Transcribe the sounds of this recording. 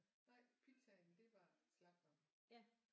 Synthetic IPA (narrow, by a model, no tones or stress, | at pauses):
nɑ̈ɪ̰pʰisʰæend̥e̝ʋɑ̈enslɑ̈ɡ̥̚d̥ɒm | æ